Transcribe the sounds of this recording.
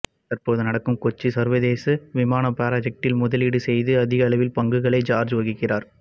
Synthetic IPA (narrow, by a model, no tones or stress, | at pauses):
t̪ɐrpoːðɯnɐɽɐkːɯmkɔt͡ʃːisɐɾʋɐðeːsɯʋɪmaːnɐpːaːɾad͡ʒɐk̚ʈɪlmʊðɐlɪɽɯsɛjðɯɐðɪɣɐlɐʋɪlpɐŋɡɯɣɐɭɐɪd͡ʒaːɾd͡ʒʋɐɣɪkːɪraːɾ